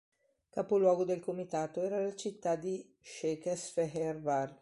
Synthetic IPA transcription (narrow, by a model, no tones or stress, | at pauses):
kaːpolwɔːɡod̪elkomit̪aːt̪oɛːɾalat͡ʃit̪ːad̪i | ʃɛkesfɛɦɛrvar